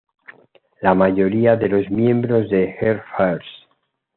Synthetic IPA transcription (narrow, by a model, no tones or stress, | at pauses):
lamaʝo̞ɾiaðe̞lo̞zmjẽ̞mbɾo̞zðe̞xeɾfaɾs